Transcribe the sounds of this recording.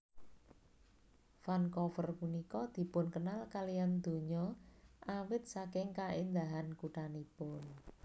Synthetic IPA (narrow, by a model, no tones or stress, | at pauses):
fankɔfərpunikɔd̪̥i̤pʊnkənalkalijand̪̥o̤ɲɔʔawɪt̪̚sakɪŋkaɪnd̪aɦankuʈanipʊn